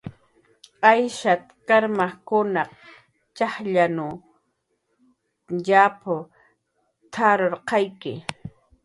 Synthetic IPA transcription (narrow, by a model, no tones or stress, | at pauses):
ajʃat̪kaɾmaχkʊnɑq | t͡ʃaχʎanʊ | ʎapʊ | t̪ʰaɾoɾqɑjkɪ̰